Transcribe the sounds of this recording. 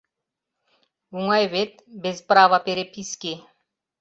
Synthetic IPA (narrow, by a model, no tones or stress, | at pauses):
uŋajʋet̪̚bezpɾaːʋapeɾepiske